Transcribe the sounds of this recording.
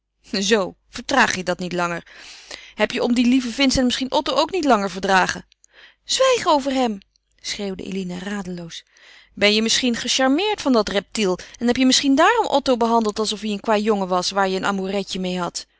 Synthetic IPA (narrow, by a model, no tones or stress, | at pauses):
zow | v̥əɹtraːχjədɑtnitlɑŋəɹ | ɦɛpjəʔɔmdilivəvɪnstənmɪsχinʔɔtowʔowknitlɑŋəɹvəɹdraːχə | z̥ʋɛjχəowvəɹɦɛm | sχreːwdə̰ʔḛlinəraːdəlows | bɛnjəmɪsχinχəʃɑɹmɪːɹtfɑndɑtrɛp̚tilˠɛnɦɛpjəmɪsχindaːrɔmʔɔtowbəɦɑndəlˠtɑlˠsɔfjəənkʋaːjɔŋəʋɑsʋaːɹjəənʔa̰ːmurɛcəmejɦɑt